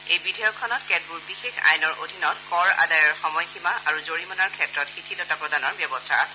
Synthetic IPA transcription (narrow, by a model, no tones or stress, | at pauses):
ejbidʱɔjɔkʰːɔnɔtkɛd̚buɹbixexa̰jnɔɹʔodʱinɔtkɔɹa̰dajɔɹxɔmɔjximaʔaɹuzoɹimɔnaɹkʰɛtɹɔtxitʰidɔtapɹɔdanɔɹbjɔbɔstʰaasɛ̥